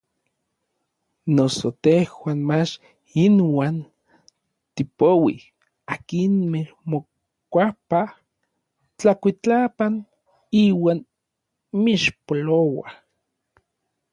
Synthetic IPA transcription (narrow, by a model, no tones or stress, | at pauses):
nosot̪ehwaːnmat͡ʃ | inwaːn | t̪ipowi | akinmehmo | kʷapa | t͡ɬakʷit͡ɬapan | iːwaːn | miʃpolowa